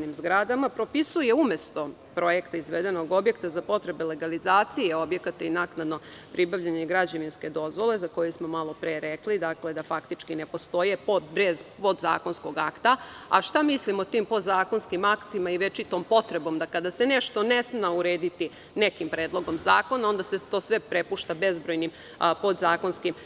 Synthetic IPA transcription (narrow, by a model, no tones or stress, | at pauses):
nimzɡɾad̪amapɾo̞pisuje̞ume̞st̪o̞ | pɾo̞je̞kt̪aizʋeːd̪e̞noɡo̞bjekt̪azapo̞t̪ɾe̞bele̞ɡalizaːt̪sijeo̞bje̞kat̪ainaːknad̪no̞pɾibaʋʎaɲeɡɾad͡ʑaʋinske̞d̪o̞zʋo̞lezako̞jesmo̞malˠo̞pɾeːɾeklid̪akle̞d̪afakt̪it͡ʃkinepo̞st̪o̞jepod̪bɾezpo̞d̪za̰ːko̞nsko̞ɡakt̪aaʃt̪amislimo̞t̪iːmpo̞d̪zaːko̞nskimakt̪imaiʋet͡ʃit̪o̞mpo̞t̪ɾe̞bo̞md̪akad̪aseneʃt̪o̞nesnauɾeːd̪it̪i | nekimpɾeːd̪lˠo̞ɡo̞mzaːko̞nao̞nd̪aset̪o̞ːsʋe̞pɾe̞puʃt̪abe̞zbɾo̞jnim | po̞d̪zaːkonskim